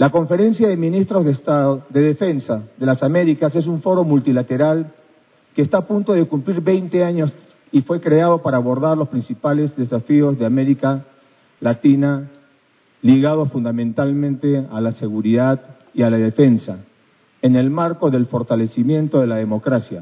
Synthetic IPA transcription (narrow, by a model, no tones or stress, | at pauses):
lako̞ɱfe̞ɾe̞nsjaðemĩnist̪ɾo̞zðest̪aðoðe̞ðefe̞nsaðe̞lasame̞ɾikase̞s̬uɱfo̞ɾo̞mult̪ilat̪e̞ɾal | keːst̪aːpunt̪o̞ðekumpliɾβe̞jnt̪e̞aɲo̞s | ifwe̞kɾeaðo̞paɾaːβo̞ɾðaɾlospɾĩnsipale̞zðe̞safio̞zðeame̞ɾika | lat̪ina | liɣað̞o̞sfund̪amẽ̞nt̪almẽnt̪e̞alase̞ɣuɾiðað | ialaðe̞fe̞nsa | ene̞lmaɾko̞ðe̞lfo̞ɾt̪ale̞simje̞nt̪o̞ðe̞laðe̞mo̞kɾasja̰